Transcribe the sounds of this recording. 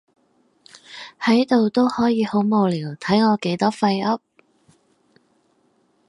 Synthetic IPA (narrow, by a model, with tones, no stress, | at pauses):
hɐ˨˥jt̪o˨wt̪o˥whɔː˨˥jiː˨˧ho˨˥wmo˨˧wliː˨˩wt̪ʰɐ˨˥jŋɔː˨˧ke˨˥jt̪ɔː˥fɐ˧jɐ˥p̚